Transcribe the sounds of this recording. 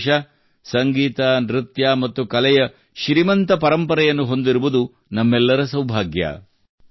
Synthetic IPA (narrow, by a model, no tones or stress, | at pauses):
ʃɐ | sɐŋɡiːt̪ɐnɾit̪jaːmɐt̪ːukɐlɛjɐ | ʃɾimɐnt̪ɐpɐɾɐmpɐɾɐjɐnːuɦo̞nd̪iɾuʋud̪u | nɐmːɛlːɐɾɐsɐwbʱaːɡjɐ̰